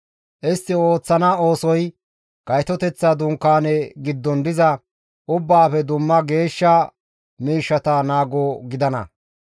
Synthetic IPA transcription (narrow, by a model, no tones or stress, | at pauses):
ʔɪst̪ːɪo̞ːt͡sːɐnɐo̞ːsɔj | ɡ̥ɐjt̪ɔt̪ɛt͡sːad̪ʊŋkːaːnɛɡɪd̪ːɔnd̪ɪzɐ | ʔʊbːaːfɛd̪ʊmːɐɡe̞ːʃːɐ | miːʃːɐt̪ɐnaːɡoɡɪd̪ɐnɐ̰